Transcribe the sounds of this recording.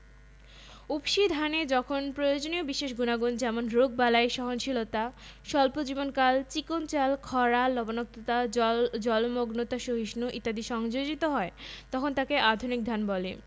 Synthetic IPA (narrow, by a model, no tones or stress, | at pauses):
upʃid̪ʱaned͡ʑɔkʰonpɾojod͡ʑoniobiʃeʃɡunaɡond͡ʑɛmonɾoɡ̚balaeʃɔɦonʃilot̪aʃɔlpod͡ʑibonkalt͡ɕikont͡ɕalkʰɔɾalɔbonok̚t̪ot̪ad͡ʑɔlmoɡnot̪aʃoɦiʃnuʔit̪ːad̪iʃɔŋd͡ʑod͡ʑit̪oɦɔet̪ɔkʰont̪akeʔad̪ʱunik̚d̪ʱanbɔle